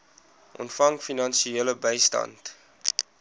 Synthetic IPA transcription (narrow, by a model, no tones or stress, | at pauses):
ʔɔ̰ntfɐŋfinɐnsieːləbəjstɐ̰nt